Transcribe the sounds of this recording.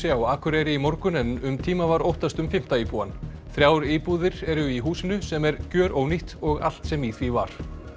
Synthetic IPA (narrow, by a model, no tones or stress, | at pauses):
jawaːkʰʏɾɛɾɪimɔɾkʏnɛnʏmt̪ʰiːmavaɾowht̪ast̪ʏmfɪm̥t̪aiːpuan | θɾjaːwɾiːpuːðɪɾɛɾʏiɦuːsɪnʏsɛmɛɾcœːɾʔowniht̪ɔɣa̰l̥t̪sɛmiθviva̰ɾ̥